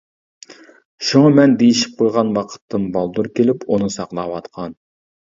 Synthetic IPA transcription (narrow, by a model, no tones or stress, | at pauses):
ʃuŋɑmɛnd̪ejiʃi̥p̚qʰojʁɑnwɑqʰə̥t̪ʰːɨmbɑlˠd̪uɾkʲelɪpunɨsɑqlˠɑwɑt̪qʰɑn